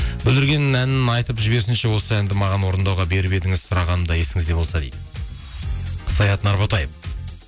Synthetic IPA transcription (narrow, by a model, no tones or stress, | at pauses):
bɪlɪɾɡʲe̞nɪnænɪnɑjt̪əpʒɪbe̞ɾsɪnʃe̞wo̞səænd̪ɪmɑʁɑnwo̞ɾənd̪ɑwʁɑbe̞ɾbe̞d̪ɪŋɪzsʊɾɑʁɑnəmd̪ɑje̞sɪŋɪzd̪e̞bo̞lˠsɑd̪ejd̪ɪ | sɑjɑt̪nɑɾbot̪ɑjəf